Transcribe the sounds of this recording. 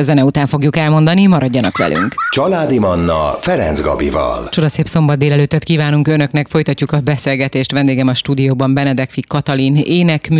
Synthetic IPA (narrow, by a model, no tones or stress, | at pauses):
zɛnɛut̪aːɱfo̞ɡjukɛlmo̞nd̪ɒnimɒɾɒɟːɒnɒ̰kʋɛ̰lʔy̰ŋkt͡ʃɒlaːd̪imɒnːɒfɛɾɛ̰nzɡɒ̰bivɒ̰lt͡ʃo̞d̪ɒseːpso̞mbɒd̪̚eːlɛløːt̪ːɛt̪kiːvaːnuŋkønø̞knɛkfo̞jt̪ɒcːukɒbɛseːlɡɛt̪eːʃt̪ʋɛnd̪eːɡɛmɒʃt̪uːd̪ijoːbɒmbɛnɛd̪ɛkfikːɒt̪ɒlineːnɛkm